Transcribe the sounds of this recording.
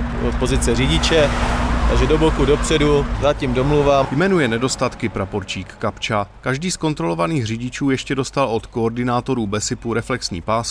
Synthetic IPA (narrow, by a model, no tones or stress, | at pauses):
ot̪̚po̞zɪt͡sɛrɪɟɪt͡ʃɛt̪a̰ɡʒɛdobokudo̞pr̝̥ɛduzacimdomluvaːmjmɛnujɛnɛdo̞st̪at̪kɪpɾapo̞ɾt͡ʃiːkːapt͡ʃakaʒdiːsko̞nt̪ɾo̞lo̞vaniːxrɪɟɪt͡ʃuːjɛʃcɛdo̞st̪alo̞t̪ko̞ːɾdɪnaːt̪o̞ɾuːbɛsɪpuɾɛflɛksɲḭːpaːs